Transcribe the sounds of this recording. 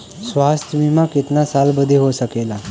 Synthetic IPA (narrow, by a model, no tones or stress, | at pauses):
sʋast̪ʰjəbimakit̪nasalbəd̪ʱeɦosəkela